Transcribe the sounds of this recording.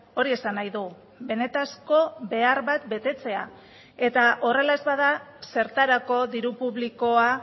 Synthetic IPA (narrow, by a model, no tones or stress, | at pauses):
o̞ɾie̞sanajðu | βe̞ne̞t̪asko̞be̞aɾβat̪be̞t̪e̞t͡se̞a | e̞t̪aʔo̞re̞lae̞zβaðase̞ɾt̪aɾako̞ðiɾupuβliko̞a